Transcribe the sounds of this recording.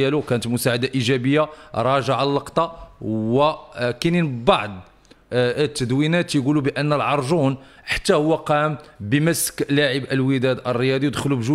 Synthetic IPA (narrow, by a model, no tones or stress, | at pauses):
ælukænət̪mʊsaʕad̪aʔiʒæbəjːaɾˤɑʒəʕalːəqt̪ˤɑwəkæninbɑʕd̪ˤ | t̪ːəd̪winæt̪jɡulubəʔənːəlʕɑɾˤʒun | ħḁt̪ːæhʊwːæqæmbəməsklaʕəbʔəlwid̪æd̪ʔərːəjɑd̪ˤiwd̪əxlubʒu